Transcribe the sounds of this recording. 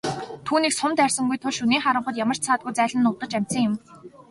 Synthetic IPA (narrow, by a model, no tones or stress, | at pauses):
t̪ʰuːniːksʊmt̪ærʲsə̆ŋɡujt̪ʰʊɮʃuniːχaɾə̆ɴχə̆t̪jamə̆r̥t͡ɕt͡sʰaːt̪̚ɡujt͡sæːɮə̆nːʊwt̪ə̆t͡ɕæm̥ʲsə̆ŋjɪ̆m